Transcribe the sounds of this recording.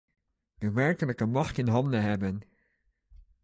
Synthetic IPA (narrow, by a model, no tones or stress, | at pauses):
dəʋɛɹkələkəmɑxtɪnɦɑndəɦɛbən